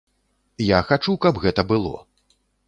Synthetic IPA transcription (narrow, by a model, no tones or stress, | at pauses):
jaxat͡ʂukɐbɣɛt̪ɐbɨlˠɔ̰